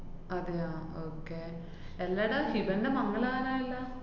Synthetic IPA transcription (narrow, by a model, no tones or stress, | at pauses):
ɐd̪ejaːoːkːeː | elːɐɽɐhibɐndemɐŋːɐɭaːnaːilːɐ